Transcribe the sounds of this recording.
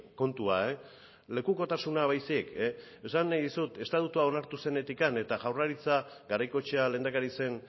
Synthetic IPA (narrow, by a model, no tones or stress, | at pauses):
ko̞nt̪uae | le̞kuko̞t̪asunaβ̞ajsieke | e̞sanːajðisut̪e̞st̪at̪ut̪uao̞naɾt̪use̞ne̞t̪ikane̞t̪aʝawraɾit͡saɡaɾajko̞t͡ʃe̞ale̞nd̪akaɾise̞n